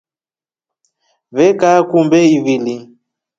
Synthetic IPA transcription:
vɛkakumbɛivili

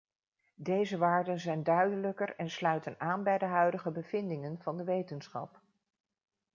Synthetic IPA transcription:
dejzəʋaːɹdənzɛjndœɥdələkərɛnslœɥtənaːnbɛjdəɦœɥdəχəbəv̥ɪndɪŋənv̥ɑndəʋejtənsχɑ̰p

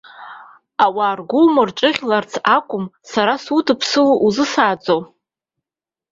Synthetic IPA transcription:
awaːrɡʷʊmɨrʈ͡ʂʼɨʁʲlart͡sʰakʷʼʊmsaɾasutʰɨpʰsɨlʔuzɨsaːd͡zʼo

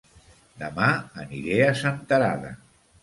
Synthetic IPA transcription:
d̪əmaəniɾeəsant̪əɾa̰ðə̰

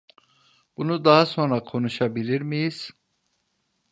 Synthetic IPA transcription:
b̥unud̪aɦasonɾakʰonuʃabiliɾmijiz̥

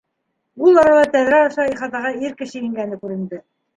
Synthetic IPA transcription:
ulˠɑɾɑlˠɑt̪æðɾæɑʃɑiχɑt̪ɑʁɑiɾkɘ̆ɕɘjĭŋɡænɘkʉɾɘ̆nd̪ɘ

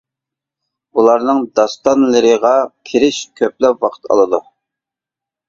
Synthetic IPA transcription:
ulˠɑɾnɨŋd̪ɑst̪ɑnlˠəɾəʁɑkʲʰiɾɪʃkʲʰøplɛpwɑqʰə̥t̪ʰɑ̰lˠɨd̪u

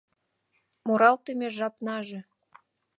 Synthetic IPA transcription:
moɾɑlt̪emʲeʒɑpnɑʒĕ

